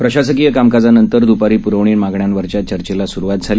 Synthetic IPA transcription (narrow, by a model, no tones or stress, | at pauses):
pɾəɕas̬ək̬ijəkamkad͡zanənt̪əɾd̪upaɾiːpuɾəʋɳiːmaɡɳjanʋəɾt͡ɕjat͡ɕəɾt͡ɕelasuɾuʋat̪̚d͡zʱaliː